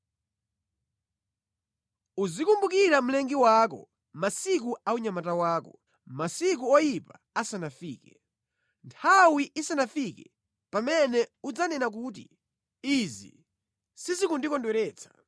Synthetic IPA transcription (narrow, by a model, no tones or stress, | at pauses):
uzikumbukiɾam̩lɛŋɡiwaːk̬ɔ̰ | masik̬uauɲamatawaːkɔ | masikuɔjipa | asanafiːkɛ | ntʰawiʔisanafikɛ | pamɛnɛud͡zanɛnak̬uːt̬ḭ | izḭ | sizikundikɔndwɛɾɛːt͡sʰḁ